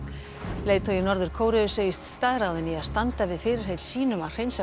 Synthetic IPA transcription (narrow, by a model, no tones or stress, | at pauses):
leːjt̪ʰœjɪnɔɾðʏɾ̥kʰoːwɾʏʏseːjɪst̪st̪aːðɾawðɪniaðst̪ant̪avɪðfɪːɾɪɾ̥ɦejt̪siːnʏmawr̥ejnsa